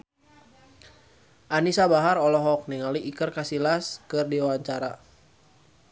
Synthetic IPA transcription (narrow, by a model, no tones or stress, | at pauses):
ʔanisabaɦaɾɔlɔɦɔk̚niŋaliʔikərkasilaskɨrdiwaɲt͡ʃaɾa